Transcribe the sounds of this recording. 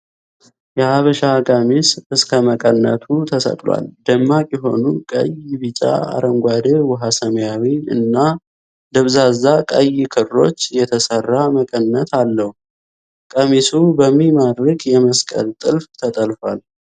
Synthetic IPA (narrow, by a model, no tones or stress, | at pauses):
jɛaβəʃakʼəmisɨskʰəməkʼənːə̰t̪ʰut̪ʰəsə̰k̪ʼlwa̰ld̪əmːakʼjɛɦo̞̰nukʼə̰jɪβit͡ʃʼa̰a̰ɾəŋɡʷad̪əwɔɦasəmjawiɨ̰nːa | d̪əβzazːakʼəjikʰɨrːo̞t͡ʃːjɛt̪ʰəsərːaməkʼənːət̪ʰalːəhu | kʼəmisubəmːimad̪ɾɨkʼjɛməskʼə̰lt̪ʼɨlft̪ʰət̪ʼəlfal